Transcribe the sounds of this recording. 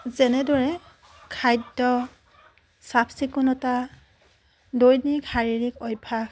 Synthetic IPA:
zɛnɛdɔɹɛ | kʰajdɔ | sapʰsikunɔta | dojnikhaɹiɹikɔjpʰa

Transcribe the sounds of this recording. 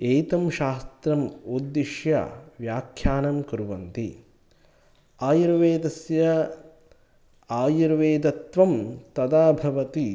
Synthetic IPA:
eːt̪ɐmʃaːst̪ɾɐmoːd̪ːiʃja̰ʋjaːkʰjaːnɐmkɐɾuʋɐnt̪i | aːjuɾʋeːd̪ɐsjɐ | aːjuɾʋeːd̪ɐt̪ʋɐmt̪ɐd̪aːbʱɐʋɐt̪i

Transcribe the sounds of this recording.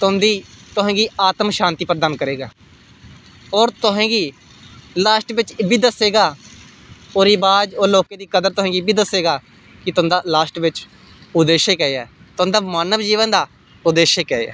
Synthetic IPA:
t̪ʊ̃nd̪iːt̪ʊɦɛ̃ːɡiːaːt̪əmʃãːnt̪iːpəɾd̪aːnkəɾeːɡaː | ɔːɾt̪ʊɦɛ̃ːɡiː | laːʃʈʋɪt͡ʃbʱiːd̪əseːɡaː | oɾiːbaːd͡ʒoːloːkeːd̪iːkəd̪əɾt̪ʊɦɛ̃ːɡibʱiːd̪əsːeːɡaː | kɪt̪ʊ̃nd̪aːlaːʃʈʋɪt͡ʃ | ʊd̪eːʃeːkɛːeɛː | t̪ʊɦə̃nd̪aːmaːnəʋd͡ʒiːʋənd̪aː | ʊd̪eːʃeːkɛːɛ̰ː

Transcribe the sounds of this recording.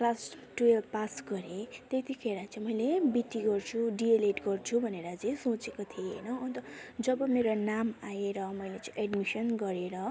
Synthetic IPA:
klasʈuelpasɡʌɾet̪et̪ikʰeɾat͡sʌ̃ĩmʌjlebiʈːiɡʌrt͡sʰuɖieleʈɡʌrt͡sʰubʱʌneɾʌt͡sĩsot͡sekot̪ʰieḛjnʌːnt̪ʌd͡zʌbʌmeɾonamajeɾʌmʌjlet͡sʌ̃eɖmisʌnɡʌɾeɾʌ

